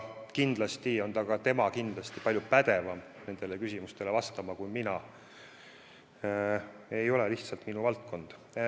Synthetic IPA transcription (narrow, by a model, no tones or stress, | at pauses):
kind̪̥lɑst̪io̞nt̪ɑɡɑt̪e̞mɑkind̪̥lɑst̪ipɑlʲjupæd̪̥e̞vɑm | ne̞nd̪̥e̞le̞kysʲimust̪e̞le̞vɑst̪ɑmɑkujminɑ | e̞jo̞le̞liht̪sɑlt̪minuvɑlt̪̚kʰo̞nd̪̥